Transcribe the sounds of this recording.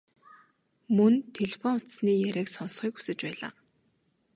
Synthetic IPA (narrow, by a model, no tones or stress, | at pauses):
mɵnt̪ʰeɮepɔnʊt̪sniːjæɾʲæːksɔnsχiːku̥sɘ̆t͡ɕpæːɮa̰ː